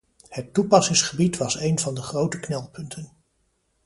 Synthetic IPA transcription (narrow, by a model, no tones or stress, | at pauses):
hətːupɑsɪŋsχəbitʋɑsejnvɑndəχrowtəknɛlˠpɵntʰən